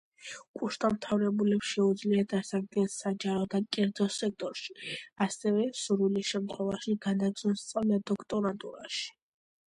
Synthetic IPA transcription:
kʼuʃt̪ʼamt̪ʰavɾɛbulɛpsʃɛud̪zliad̪asak̚d̪̚ɡɛnsad͡ʒaɾɔd̪akʼɛɾd̪zɔsɛk̚t̪ʼɔɾʃi̥asɛvɛsuɾulisʃɛmt̪ʰχwɛvaʃiɡ̥anaɡz̥ɔnst̪sʼavlad̪ɔkʰt̪ʼɔɾat̪ʼuɾaʃi̥

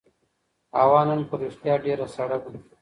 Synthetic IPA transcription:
awɑːnanpəɾiʂt̪jɑːɖeːɾasɐɽab̪

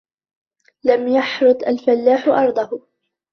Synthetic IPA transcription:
lamjaħɾʊt̪ˤʔalfalːaːħʊʔɑɾˤd̪ˤɑhʊ

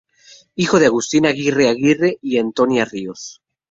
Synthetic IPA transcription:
ixoð̞eaɣust̪inaɣireaɣireiant̪onjarios

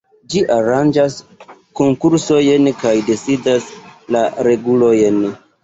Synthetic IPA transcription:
d͡ʒiʔaɾand͡ʒasko̞ŋkuɾso̞jenkajde̞sidaslaɾe̞ɡulo̞jen

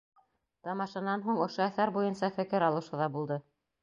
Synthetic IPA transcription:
t̪ɑmɑʃɑnɑnɦuɴŏʃoæθæɾbujɤnsɑfɘ̆kɘɾɑlˠɤ̆ʃɤ̆ðɑbulˠd̪ɤ

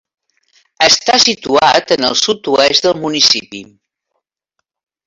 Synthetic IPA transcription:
əst̪asit̪uat̪ənəlˠsut̪uɛzðəlˠmunisipi

